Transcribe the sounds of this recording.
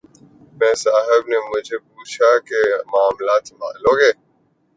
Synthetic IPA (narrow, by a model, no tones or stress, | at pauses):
mɛ̃ːsaːɦɪbneːmʊd͡ʒʱeːp̚uːt͡ʃʰaːkemaːmlaːt̪mã̰ːloːɡeː